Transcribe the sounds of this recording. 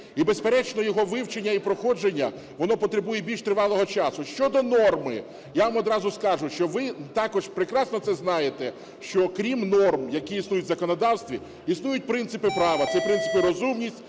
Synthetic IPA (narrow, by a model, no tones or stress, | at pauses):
ibespeɾɛt͡ʃnɔjɔɦɔʋɪwt͡ʃenʲːɐipɾɔxɔd͡ʒenʲːɐ̰ | ʋɔnɔpɔt̪ɾebujɛbʲilʲʃt̪ɾɪʋɑlˠɔɦɔt͡ʃɑsʊʃt͡ʃɔd̪ɔnɔrmɪ | jaʋamɔd̪ɾɑzʊskɑʒʊʃt͡ʃɔʋɪt̪ɑkɔʒpɾekɾɑsnɔt̪sɛznɑjet̪ɛ | ʃt͡ʃɔkɾʲimnɔrmjɐkijisnujʊtʲzɐkɔnɔd̪ɑwst̪ʋʲi | isnujʊt̚ʲpɾɪnt̪sɪpɪpɾɑʋɐt̪sɛpɾɪnsɪ̥pɪɾɔzumnʲisʲtʲ